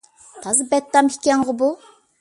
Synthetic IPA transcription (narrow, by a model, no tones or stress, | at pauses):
t̪ʰɑzɨbɛt̪ːɑmikʲɛŋʁəbu